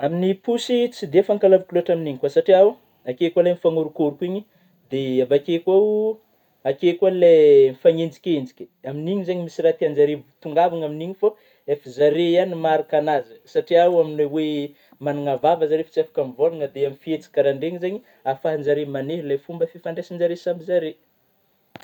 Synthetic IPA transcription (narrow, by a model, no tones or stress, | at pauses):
aminipusit͡sid̪eafaŋkalavikluaʈ͡ʂaminiɲikwasaʈ͡ʂiaw | akekalajmifaŋuɾukuɾukiɲi | d̪eabakekwaw | akekalamifaŋend͡zi̥kʲend͡ʒi̥kʲi̥aminiɲizaɲimisiɾat̪iand͡zaɾevt̪uŋɡavaŋaminiɲifo | efizaɾejanimaɾakanazəsaʈ͡ʂiawaminwewe | manuŋavavəzaɾefi̥t͡safḁkamvonaŋəd̪eamifiet͡si̥kaɾaɳɖ͡ʐeŋizaɲi | afaɦand͡zaɾemaneɦlajfumbəfifaɳɖ͡ʐesanzaɾesamizaɾe